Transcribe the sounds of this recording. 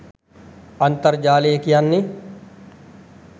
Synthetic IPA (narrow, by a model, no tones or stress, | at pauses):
ɐnt̪ɐɾd͡ʒaːleekijanːi